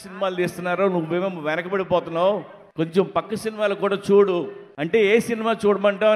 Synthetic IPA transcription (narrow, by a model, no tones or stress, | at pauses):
sinimaːlt̪eːst̪unːaːɾoːnuʋːeːmeːmːɐʋɛnɐkɐpɐɽipɔːt̪unːaːw | ko̞ɲt͡ʃempɐkːɐsinimaːlokuːɽaːt͡ʃuːɽuɐɳʈe̞ːeːsinimaːt͡ʃuːɽɐmɐɳʈɐː